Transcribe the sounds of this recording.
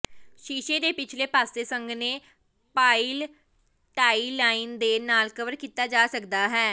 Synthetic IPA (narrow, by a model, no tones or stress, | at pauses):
ʃiːʃeːd̪eːpɪt͡ʃʰleːpaːst̪eːsəŋɡneː | paːil | ʈaːilaːind̪eːnaːlkəʋəɾkiːt̪aːd͡ʒaːsəkd̪aːɦɛː